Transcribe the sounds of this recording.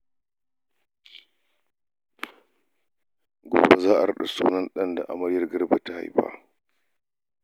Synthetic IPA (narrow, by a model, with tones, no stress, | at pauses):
ɡʷo̰ː˨ba˦zaː˦ʔa˨ɾɐ˦ɗa˨suː˦nɐ˦nɗɐ˦nda̰˨ʔa˨mɐ˦ɽjɐ˦rɡɐ˦rba˨ta˦ha̰˨jɸa̰ː˦